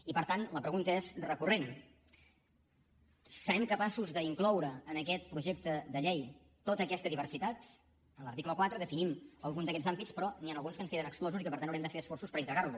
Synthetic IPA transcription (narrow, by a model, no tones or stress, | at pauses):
ipəɾt̪anləpɾəɣunt̪əezrəkuren | səɾɛmkəpasuzðəiŋklɔwɾəːnəkɛt̪̚pɾuʒek̚t̪əd̪əʎej | t̪ot̪əkɛst̪əðiβ̞ərsit̪at̪ | ənlˠəɾt̪ikləkwat̪ɾəðəfiniməlˠɣund̪əkɛd͡zambispɾɔnianəlˠɣunskənskeðənəksklɔzuikəpəɾt̪anawɾɛmd̪əfeəsfɔrsuspəɾint̪ɾəɣaɾlu